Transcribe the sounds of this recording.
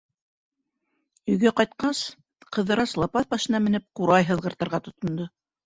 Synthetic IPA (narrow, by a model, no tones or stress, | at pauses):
ɵ̆jɡæqɑjt̪̚qɑs | qɤ̆ðɤ̆ɾɑslˠɑpɑθbɑʃɤ̆nɑmɘ̆nɘp̚quɾɑjɦɤ̆ðʁɤ̆ɾt̪ɤ̆ɾʁɑt̪ŏt̪ŏnd̪o